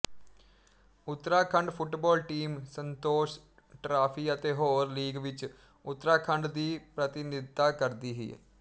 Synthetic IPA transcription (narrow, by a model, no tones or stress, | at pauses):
ʊt̪ːɾaːkʰə̃ɳɖpʰʊʈbɔːlʈiːmsə̃nt̪oːʃ | ʈɾaːpʰiːət̪eːɦoːɾliːɡʋɪt͡ʃ | ʊt̪ːɾaːkʰə̃ɳɖd̪iːpɾət̪ɪnɪd̪t̪ːaːkəɾd̪iːɦḭː